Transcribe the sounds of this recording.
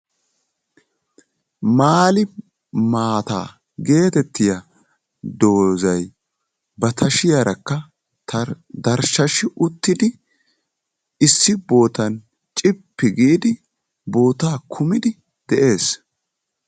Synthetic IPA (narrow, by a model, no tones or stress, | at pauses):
maːlɪ | maːt̪a̰ː | ɡe̞ːt̪ɛt̪ːɪjɐ | d̪o̞ːzɐj | bɐt̪ʰɐʃɪjɐɾʔɐkːɐ | t̪ʰ | d̪ɐɾʃɐʃɪʔʊt̪ːɪd̪ɪ | ɪsːɪbo̞ːt̪ɐn | t͡ʃʼɪpːɪɡiːd̪ɪ | bo̞ːt̪aːkʰʊmɪd̪ɪ | d̪̥ɛʔe̞ːs